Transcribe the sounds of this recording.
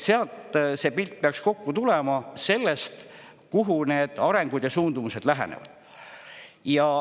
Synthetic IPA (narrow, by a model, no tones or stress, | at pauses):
seɑlt̪se̞ːpilt̪̚peɑksko̞kːut̪ulemɑse̞lːe̞st̪ | kuɦune̞ːd̪̥ɑɾe̞ŋɡ̥ud̪̥jɑsuːnd̪umuse̞d̪̥læɦḛnḛvɑ̰d̪̥ | jɑ